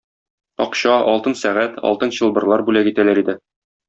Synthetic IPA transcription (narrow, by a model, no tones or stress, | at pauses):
ɒqɕɑɒlˠt̪ɤnsæʁæt̪ɒ̰lˠt̪ɤnɕɤ̆lˠbɤ̆ɾlˠɑɾbʉlækit̪ælæɾid̪ɘ